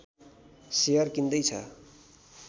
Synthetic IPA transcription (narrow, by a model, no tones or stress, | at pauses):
sejʌrkind̪ʌjt͡sʰʌ̰